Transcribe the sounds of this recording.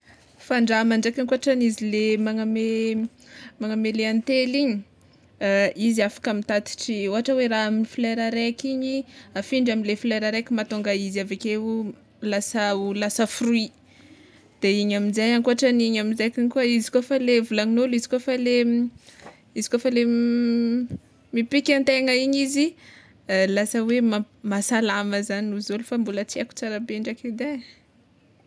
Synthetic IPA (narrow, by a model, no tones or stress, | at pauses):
faɳɖ͡ʐamaɳɖ͡ʐekinkoaʈ͡ʂanizilemaŋame | maŋameleant̪eliɲi | iziafḁkamit̪at̪i̥ʈ͡ʂioɦaʈ͡ʂəweɾaaminifileɾaɾeakiɲiafiɳɖ͡ʐaminlefileɾaɾekimat̪uŋɡaizavakeu | lasaulasəfrui | d̪̥eiɲamizajaŋkuɦaʈ͡ʂəniɲamizajkiɲikuəizi̥kofalevulaŋinolizi̥kofale | izi̥kofale | mipikʲant̪eŋəiɲizi | lasəwema | masalaməzaniuzulufambulət͡siaku̥t͡saɾabeɳɖ͡ʐaked̪e